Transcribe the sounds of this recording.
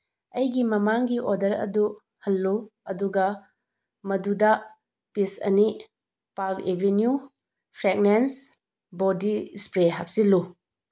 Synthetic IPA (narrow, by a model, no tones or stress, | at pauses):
ɐjɡimɐmaŋɡiʔodɐɾɐ̰du | hɐlːuɐduɡɐ | mɐdudɐ | pisɐ̰ni | paɾkebenju | pʰɾek̚nens | bodispɾeɦap̚silu